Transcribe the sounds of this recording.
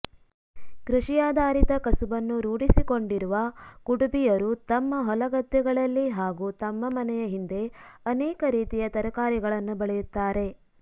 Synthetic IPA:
kɾuʂijaːd̪ʱaːɾit̪ɐkɐsubɐnːuɾuːɽisiko̞ɳɖiɾuʋɐkuɽubijɐɾut̪ɐmːɐɦɔlɐɡɐd̪ːɛɡɐɭɐlːiɦaːɡut̪ɐmːɐmɐnɛjɐɦind̪e̞ɐnɛːkɐɾiːt̪ijɐt̪ɐɾɐkaːɾiɡɐɭɐnːubɐɭɛjut̪ːaːɾe̞

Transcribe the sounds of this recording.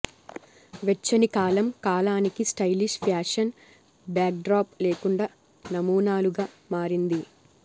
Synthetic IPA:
ʋet͡ʃːɐnikaːlɐmkaːlaːnikisʈɐjliʃpʰjaːʂɐn | bjaːk̚ɖɾaːpleːkuɳɖaː | nɐmuːnaːluɡaː | maːɾind̪i

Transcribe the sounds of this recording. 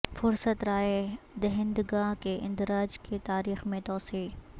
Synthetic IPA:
fʊɾsət̪ɾaːed̪ɐɦɪ̃nd̪ɡaɦkeʔɪ̰̃nd̪ɪɾaːd͡ʒket̪aːɾiːxmẽt̪ɔːsiː

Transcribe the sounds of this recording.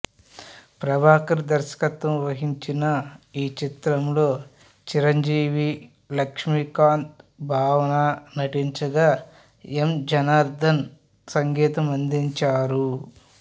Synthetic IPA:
pɾɐbʱaːkɐɾid̪ɐɾʃɐ̥kɐt̪ʋɐmʋɐɦiɲt͡ʃinɐiːt͡ʃit̪ɾɐmlo̞ː | t͡ʃiɾɐɲd͡ʒiːʋi | lɐkʂmikaːnt̪̚bʱaːʋɐnaːnɐʈiɲt͡ʃɐɡaː | emd͡ʒɐnaːɾd̪ʱɐn | sɐŋɡɛːt̪ɐmɐnd̪iɲt͡ʃaːɾu

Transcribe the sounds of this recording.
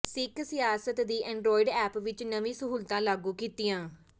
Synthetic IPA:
sɪksɪjaːsət̪d̪iːʔɛ̃ːɳɖɾoːɪɖɛːpʋɪt͡ʃnəʋĩːsəɦuːlt̪ãːlaːɡuːkiːt̪ɪjãː

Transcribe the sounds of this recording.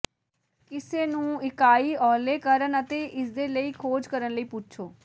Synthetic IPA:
kɪseːnũːɪkaːiːɔːleːkəɾənət̪eːʔɪsd̪eːləiːkʰoːd͡ʒkəɾənləiːpʊt͡ʃʰoː

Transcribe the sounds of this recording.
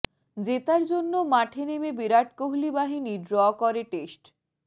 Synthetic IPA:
d͡ʑet̪aɾd͡ʑonːomaʈʰenemebiɾaʈ̚koɦlibaɦiniɖɾɔkɔɾeʈesʈ

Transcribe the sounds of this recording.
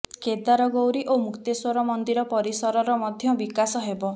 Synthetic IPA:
ked̪aɾɔɡowɾiʔomukt̪eswɔɾɔmɔnd̪iɾɔpɔɾisɔɾɔɾɔmɔd̪ʱjɔbikasɔɦebɔ

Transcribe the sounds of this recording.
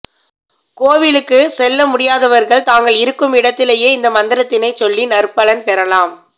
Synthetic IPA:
koːʋɪlɯkːɯsɛlːɐmʊɽɪjaːðɐʋɐɾɣɐɭt̪aːŋɡɐɭɪɾɯkːɯmɪɽɐt̪ːɪleːjeːɪnd̪ɐmɐnd̪ɪɾɐt̪ːɪnɐɪt͡ʃɔlːinɐɾpɐɭɐnpɛɾɐlaːm

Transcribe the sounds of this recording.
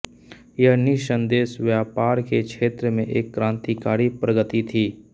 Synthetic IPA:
jəɦnɪʃə̃nd̪eːsʋjaːpaːɾkekʃeːt̪ɾəmẽʔeːkːɾãːnt̪ikaːɾipɾəɡət̪it̪ʰiː

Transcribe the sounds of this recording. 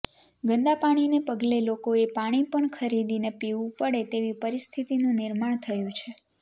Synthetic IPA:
ɡə̃nd̪apaɽ̃inepəɡlelokoepaɽ̃ipəɳkʰəɾid̪inepiʋũpəɽet̪eʋipəɾist̪ʰit̪inũnɪɾmaɳ̃t̪ʰəjũt͡ʃʰe

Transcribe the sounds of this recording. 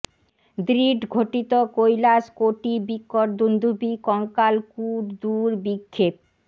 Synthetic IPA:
d̪ɾiɖɡʱoʈit̪okojlaskoʈibikːoɾd̪und̪ʱubikɔŋkalkuɾd̪uɾbikʰːep̚

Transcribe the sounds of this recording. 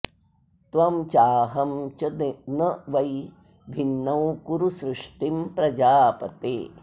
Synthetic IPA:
t̪ʋɐmt͡ʃaːɦɐmt͡ʃɐenɐʋɐj | bʱinːɐwkuɾusɾɪʂʈimpɾɐd͡ʒaːpɐt̪ḛː

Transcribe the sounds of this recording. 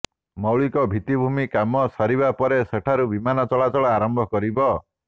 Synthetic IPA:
mɔwɭikɔbʱit̪ibʱumikamɔsɔɾibapɔɾeseʈʰaɾubimanɔt͡ʃɔɭat͡ʃɔɭɔaɾɔmbʱɔkɔɾibɔ

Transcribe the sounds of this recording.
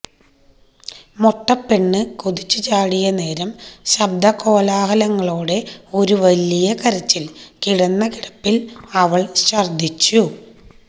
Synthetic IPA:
moʈːɐpːe̞ɳːɨkuðit͡ɕːɨt͡ɕaːɽijɐne̞ːɾɐmɕɐb̚d̪ɐko̞ːlaːhɐlɐŋːɐɭoːɽe̞o̞ɾuʋɐlijɐkɐɾɐt͡ɕːilkiɽɐnːɐkiɽɐpːilɐʋɐɭɕɐrd̪ʱit͡ɕːu

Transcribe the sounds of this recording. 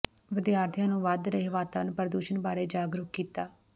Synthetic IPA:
ʋɪd̪jaːɾt̪ʰijãːnũːʋad̪ɾəeːʋaːt̪aːʋənpəɾd̪uːʃənbaːɾeːd͡ʒaːɡɾʊkkːiːt̪aː

